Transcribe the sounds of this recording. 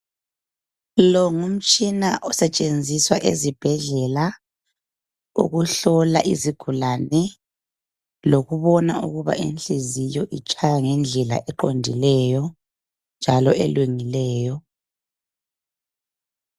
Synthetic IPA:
lɔŋum̩t͡ʃʼinaʔɔsɛt͡ʃʼend͡zʱiswaʔezib̥ʱɛɮɛla | ṵɣuɬɔlaʔiziɡ̥ʱulanɛ | loɣuβɔnaṵɣuβa̰ʔenɬezijɔʔit͡ʃʼajaŋɛnd͡ɮʱɛla̰ʔɛǃondʱilɛjɔ | nd͡ʒʱalɔɛ̰lweŋilɛːjɔ

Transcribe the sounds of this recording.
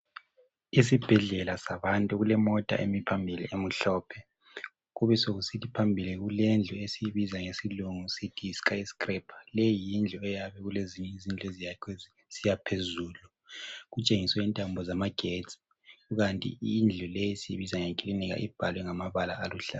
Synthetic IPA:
is̬ib̥ʱɛɮɛlasaβantʼuɣulɛmɔtʼa̰ʔemipʰambʱilḭʔem̩ɬɔːpʰɛ | ɣuβɛsoɣusitʰipʰambʱiliɣulɛnd͡ɮʱuesiβizaŋesiluŋusitʰiskaisi̥kʼrɛpʰḁlejijind͡ɮʱɔɛjaβɛɣuleziɲɛizind͡ɮʱɔezijakʰwɛz | z̥ijapʰezuːlu | ɣut͡ʃʼeŋiswɛintʼambʱɔzamaɡ̥ʱet͡sʼi̥ | ɣuɣantʼḭind͡ɮʱulejisiβizaŋekʼiliniɣa̰ʔib̥ʱalwɛŋamaβalaːluɬa̰

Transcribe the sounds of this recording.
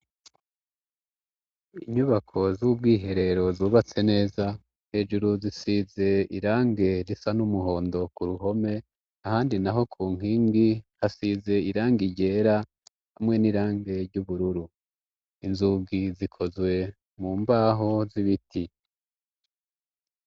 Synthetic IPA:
iɲuβakʰo̞zub̚ɡiːɦe̞ɾe̞ɾo̞zuːβat͡se̞ne̞ːza | he̞ːʒuɾuzisize̞iɾaːŋɡe̞ɾisanumuɦo̞ːndo̞kuɾuɦo̞me̞ | ahaːndinaɦo̞kʰuːŋ̥iːŋɡihasize̞iɾaːŋɡiɟe̞ːɾa | hamŋe̞niɾaːŋɡe̞ɾɟuβuɾuɾu | inzuɡizikʰo̞zwe̞ | muːmbaːɦo̞ziβitʰi

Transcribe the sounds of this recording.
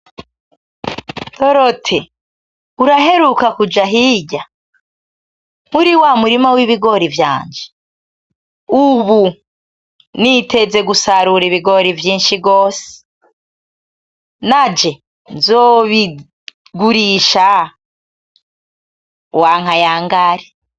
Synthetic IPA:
to̞ɾotʰe | uɾaɦe̞ɾukakud͡ʒaɦiɟa | uɾiwamuɾimawiβiɡo̞ɾivja̰ːɲd͡ʒe | uβu | nite̞d͡ze̞ɡusaɾuɾiβiɡo̞ɾivjiːnʃiɡo̞ːse̥ | nad͡ʒe̞ | nzoβi | ɡuɾiːʃa | waːŋ̥ajaːŋɡaɾi

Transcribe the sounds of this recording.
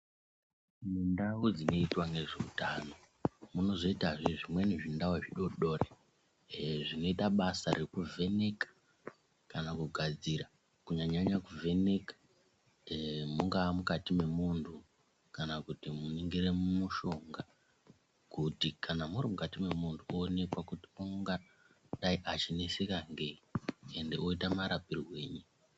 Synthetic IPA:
mundawud͡zino̞itwaŋɡe̞ʐeutano̞ | muno̞ʐoitaʐiʐimwe̞niʐindawoʐiɗo̞ɗo̞re | ʐino̞itaɓasarikuvʱe̞ne̞kḁ | kanakuɡʱad͡ziɾa | kuɲaɲaɲakuvʱe̞ne̞kḁ | muŋɡaːmukatime̞muntʰu | kanakutimuniŋɡiremumuʃo̞ŋɡa | kutikʰanamuɾimukatime̞muntʰuoːne̞kwakutiuŋɡa | ɗaiʔat͡ʃinesekaŋɡe̞iende̞oitamaɾapirwe̞ːɲi

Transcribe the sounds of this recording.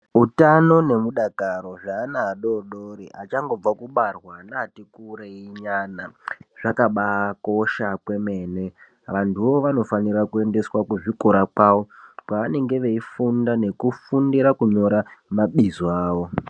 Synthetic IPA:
utano̞ne̞muɗakaɾo̞ʐaːnaːɗo̞ɗoɾiat͡ʃaŋɡo̞b͡vakuɓarwanaːtikuɾeiɲaːnaʐ̥akaɓako̞ʃakwe̞me̞ːne̞ | ʋantʰuʋo̞ʋano̞faniɾakue̞nde̞swakuʐikoɾakwaːʋo̞kwaʋane̞ŋɡe̞ʋe̞ifundane̞kufundiɾakuɲo̞ɾamaɓizoaːʋo̞

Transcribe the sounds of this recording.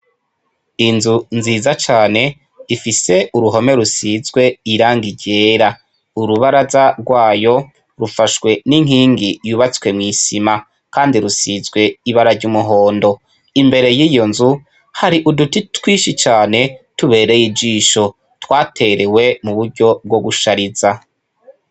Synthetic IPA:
inzunziːzat͡ʃaːne̞ | ifise̞uɾuɦo̞me̞ɾusizɡwe̞iɾaːŋɡiɟe̞ːɾa | uɾuβaɾazaɾɡwaːjo̞ | ɾufaʃwe̞niŋ̥hiːŋɡijuːβat͡swe̞mŋiːsima | kaːndiɾusizɡwe̞iβaɾaɾɟumuɦo̞ːndo̞ | imbe̞ɾe̞jiːjo̞nzu | haɾiʔudutitwiːʃit͡ʃaːne̞tuβe̞ːɾe̞jid͡ʒiːʃo̞ | twaːtʰe̞ɾe̞we̞muβuɾɟo̞b̚ɡo̞ɡuʃaɾiza

